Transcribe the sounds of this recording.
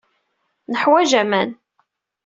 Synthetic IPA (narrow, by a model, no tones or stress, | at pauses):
nəħwæʒæmæn